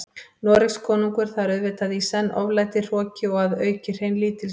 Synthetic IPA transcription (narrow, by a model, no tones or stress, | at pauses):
nɔːɾɪkskʰɔːnuŋkʏɾ̥θaɾœɥðvɪt̪aðisɛnːʔɔ̰vlaːjt̪ɪr̥ɔːcɪɔɣaðœːɥcɪr̥hejnliːt̪ɪl